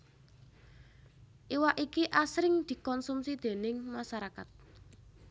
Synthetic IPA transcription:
ʔiwaʔikiʔasɾɪŋd̪̥i̤kɔnsumsid̪̥e̤nɪŋmaʃaɾakat̪̚

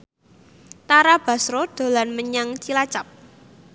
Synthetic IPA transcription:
t̪aɾab̥a̤sɾod̪̥o̤lanməɲaŋt͡ʃilat͡ʃap̚

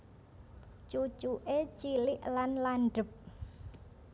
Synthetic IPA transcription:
t͡ʃut͡ʃuʔet͡ʃilɪʔlanlaɳɖə̤p̚

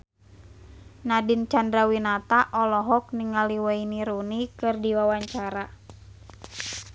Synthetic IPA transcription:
nadint͡ʃandɾawinat̪aʔɔlɔɦɔk̚niŋaliwainiɾunikɨrdiwawaɲt͡ʃaɾa

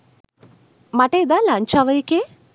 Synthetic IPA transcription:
mɐʈejd̪alaːɲt͡ʃaʋɐjike

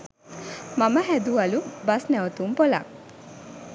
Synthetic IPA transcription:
maməɦæd̪uɐlubɐsnɛwut̪umpola̰ŋ

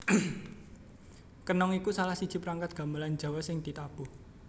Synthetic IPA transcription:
kənɔŋikusalahsid̥ʒ̥i̤pəɾaŋkat̪̚ɡ̥a̤mbalan̥d͡ʒ̥a̤wɛsɪŋd̪̥i̤t̪ab̥uh

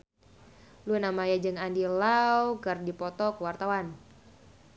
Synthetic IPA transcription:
luinamajad͡ʒɨŋandilawkərdipɔt̪ɔkəwart̪awan

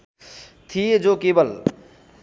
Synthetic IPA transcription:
t̪ʰied͡ʒokeːbəl

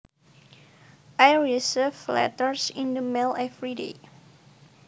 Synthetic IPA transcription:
ʔajɹisivlɛ̰təɹsĩndəmɛlɛfɹidḛ

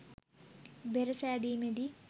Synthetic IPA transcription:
beɾəsæːd̪iːmed̪i

